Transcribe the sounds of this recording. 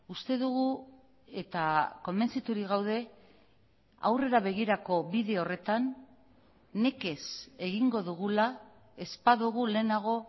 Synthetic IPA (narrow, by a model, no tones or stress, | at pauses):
ust̪e̞ðuɣu | e̞t̪ako̞mbe̞nsit̪uɾiɣawð̞e̞ | a̰wre̞ɾaβ̞e̞ɣ̞iɾako̞βiðe̞o̞re̞t̪anː | e̞ke̞se̞ɣiŋɡo̞ðuɣula | e̞spaðuɣ̞ule̞ːnaɣ̞o̞